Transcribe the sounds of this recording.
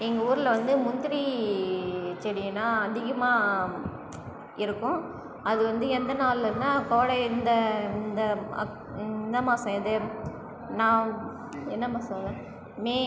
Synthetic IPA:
ɛŋɡɐuːɾɯlʋɐnd̪ɯmʊnd̪ɪɾi | t͡ʃɛɽɪjɐnːaːɐðɪɣɐmaː | ɪɾɯkːʊ̃ | ɐðɯʋɐnd̪ɯɛnd̪ɐnaːlɐɾnaːkoːɽɐɪnd̪ɐɪnd̪ɐ | ɪnːɐmaːsɐ̃ɛðɯ | nãː | ɪnːɐmaːsɐɐŋɡɐ | meː

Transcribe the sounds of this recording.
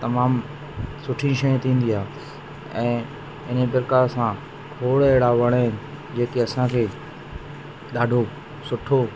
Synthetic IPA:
t̪ɐmaːm | sʊʈʰĩʃɐj̃t̪ʰĩːn̆d̪iaːɦ | ɛ̃ː | ɪnebɪɾkasã | kʰoːɽɛɦɽaʋɐɽ̃ɦɪnɪ̆ | d͡ʑeːkeɐsãkʰeː | ɗaːɖʱo | sʊʈʰo

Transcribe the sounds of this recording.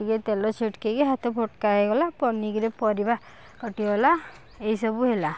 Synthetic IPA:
iɡet̪elɔt͡ʃʰiʈkeɡeɦat̪ɔpʰoʈkaeɡɔlapɔniɡiɾepɔɾiba | kɔʈiɡɔla | eɦisɔbuɦela

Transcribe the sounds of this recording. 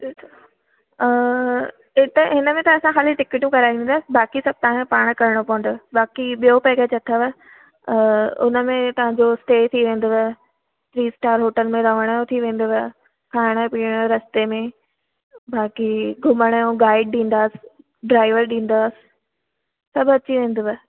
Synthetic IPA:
ɪt̪əɦɪnəmẽt̪ɐ̃ɐsãxaːliʈɪkɪʈjũkɐɾaːʋĩːn̆d̪aːsɪbaːkisɐb̚ʱt̪aãpaːɽ̃kɐɾəɽ̃opɔ̃ːɪ̃nd̪obaːkiɓijopɛɪket͡ɕɐt̪ʰəʋə | ʊ̰nəmẽt̪ɐʋ̤ãɲd͡ʑosʈeːt̪ʰiʋẽːn̆d̪oʋe | t̪ɾiːsʈaːɾɦoːʈəlmẽɾɐʋəɽ̃jõt̪ʰiʋẽːn̆d̪oʋɪ | kʰaːɪɽ̃əpiːɽ̃ɾɐst̪emẽ | baːkiɡʱʊməɽ̃əjõɡaːɪɖ̚ɗĩːn̆d̪aːsɪ̥ | ɖɾaːɪʋəɾɗĩːn̆d̪aːsɪ̥ | sɐbʱɐt͡ɕiʋẽːn̆d̪oʋ

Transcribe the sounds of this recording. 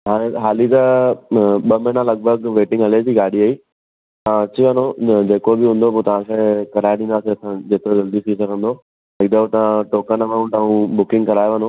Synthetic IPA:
ɦaːẽɦaːlit̪ɐ | ɓɐmɐɪnãlɐɡ̚bʱəɡʋeːʈɪ̃ŋɡɦɐled͡ʑiːɡaːɗiaːiː | ãt͡ɕiʋɐnod͡ʑeːkobɪɦũnd̪opot̪ɐʋ̤ãkʰẽkɐɾaːeɗĩːnd̪aːseɐsãd͡ʑeːt̪ɾod͡ʑɐld̪it̪ʰisɐɡʱə̃nd̪oː | ɪkd̪əot̪ɐʋ̤ãʈoːkənɐmãːt̪ãːũbʊkɪ̃ŋɡkɐɾaːjeʋəno

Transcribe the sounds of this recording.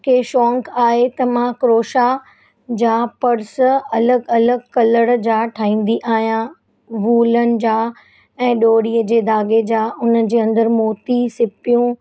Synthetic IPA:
kʰeːʃɔːŋkaːɦet̪ɐmãkɾoːʃa | d͡ʑaːpɐɽsɐləɡɐləɡkɐləɽd͡ʑaːʈʰaːĩːn̆d̪iʔaːɦijã | ʋuːlənɪ̆d͡ʑaː | ɛ̃ːɗoːɽiːəd͡ʑeːd̪aːɡed͡ʑaːʊnəd͡ʑeːɐ̃nd̪əɾmoːt̪isɪpijũ

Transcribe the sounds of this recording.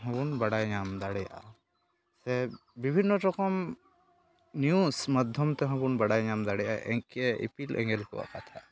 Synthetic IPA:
ɦɔ̃ɡunbɐɽajɲamd̪aɽɛja̰ | sɛ | bibʱinːɔɾɔkɔm | njusmɐd̪ʱjɔmt̪ɛɦɔ̃bunbɐɽajɲamd̪aɽɛja̰ɛkeḭpilʔɛ̰̃ŋɡɛlkɔ̰a̰kat̪ʰa

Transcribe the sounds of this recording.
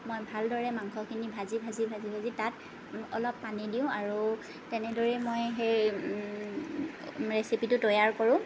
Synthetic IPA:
mojbʱaldɔɹɛmaŋkʰɔkʰinibʱazibʱazibʱazibʱazitat | ɔlɔpːanidiʊ̃aɹu | tɛnɛdɔɹɛmojɦej | ɹesipitʊtɔjaɹkɔɹʊ̃

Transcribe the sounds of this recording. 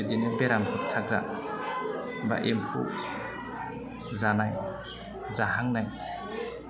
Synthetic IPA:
edinɯbeɾamkʰut̚tʰakɾa̰ | ba̰ʔempʰṵ | zanaj | zahaŋnaj

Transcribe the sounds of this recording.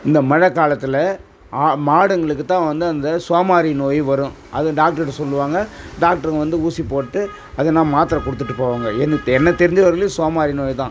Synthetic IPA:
ɪnd̪ɐmɐɻɐkːaːlɐt̪ːɪlɐ | aːmaːɽɯŋɡɐɭɯkːɯt̪ːãːʋɐnd̪ɯɐnd̪ɐsoːmaːɾinoːjʋɐɾʊ̃ | ʔɐ̰ðɯɖaːk̚ʈɐɾɐɾsɔlːɯʋaːŋɡɐɖaːk̚ʈɐɾɐʋɐnd̪ɯuːsipːoːʈːɯ | ɐðɯnãːmaːt̪ɪɾɐ̃kɔɽɯt̪ːɯʈːɯpːoːʋaːŋɡɐɛnːɛnːɐt̪ɛɾɪɲd͡ʒʋɐɾɐlisoːmaːɾinoːjt̪ãː

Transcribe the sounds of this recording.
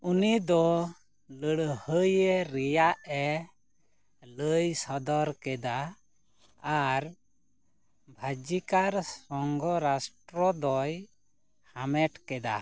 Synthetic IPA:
unid̪ɔ | ləɽhəjɛɾɛjaʔɛ | ləjsɔd̪ɔɾkɛd̪aː | ɾ | bʱad͡ʒikaɾsɔŋɡɔɾasʈɾɔd̪ɔj | hamɛʈkɛd̪a̰

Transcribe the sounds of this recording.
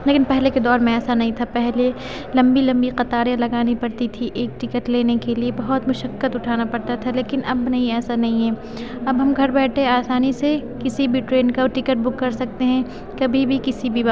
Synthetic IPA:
leːkɪnpɛɦleked̪ɔːɾmẽɛːsanɐɦĩt̪ʰapɛɦle | lɐ̃mbilɐ̃mbiqɐt̪aːɾjalɐɡaːnipɐɾt̪it̪ʰiʔeːk̚ʈɪkəʈleːnekeliebɐɦʊt̪mʊʃəkːət̪ʊʈʰaːnapɐɾt̪at̪ʰaleːkɪnʔɐ̰bnɐɦĩɛːsanɐɦĩɦɛː | ɐbɦɐmɡʱɐɾbɛːʈʰeaːsaːnisekɪsibʱiʈɾeːnkaːʈɪkəʈ̚bʊkːɐɾsɐk̚t̪eɦɛ̃ | kɐbʱibʱikɪsibʱiba

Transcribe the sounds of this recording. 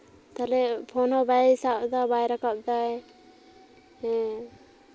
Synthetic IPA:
t̪alɛpʰɔnɔbajisap̚d̪ɔbajɾakap̚d̪aj | ɛ

